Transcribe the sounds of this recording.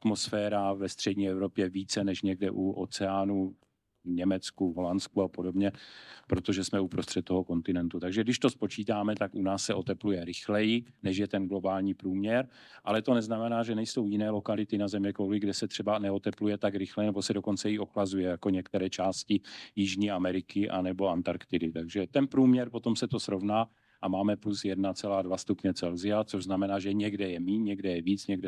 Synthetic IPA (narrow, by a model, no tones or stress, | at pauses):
at̪mo̞sfɛːɾavɛst̪r̥ɛdɲiːɛvɾo̞pjɛviːt͡sɛnɛʃɲɛɡdɛʔuʔo̰t͡sɛaːnu | ɲɛmɛt͡skuvɦo̞lanskuapo̞do̞bɲɛpɾo̞t̪o̞ʒɛsmɛupɾost̪r̥ɛt̪̚t̪oɦo̞ko̞nt̪ɪnɛnt̪ut̪aɡʒɛɡdɪʃt̪o̞spo̞t͡ʃiːt̪aːmɛt̪akʔunaːsːɛʔo̞t̪ɛplujɛɾɪxlɛjɪnɛʃjɛt̪ɛnɡlobaːlɲiːpɾuːmɲɛɾ | ʔalɛt̪onɛznamɛnaːʒɛnɛjso̞wjɪnɛːlo̞kalɪt̪ɪnazɛmjɛkowlɪɡdɛsɛt̪r̥ɛbanɛo̞t̪ɛplujɛt̪akɾɪxlɛnɛbo̞sɛdo̞ko̞nt͡sɛjioxlazujɛjako̞ɲɛkt̪ɛɾɛːt͡ʃaːscɪjɪʒɲiːamɛɾɪkɪʔa̰nɛbo̞ant̪aɾkt̪ɪdɪt̪aɡʒɛt̪ɛnpɾuːmɲɛɾpo̞t̪o̞msɛt̪o̞sɾo̞vnaː | ʔamaːmɛplusjɛdnat͡sɛlaːdvast̪upɲɛt͡sɛlzɪat͡soʒznamɛnaːʒɛɲɛɡdɛjɛmiːɲɛɡdɛjɛviːt͡sɲɛɡdɛ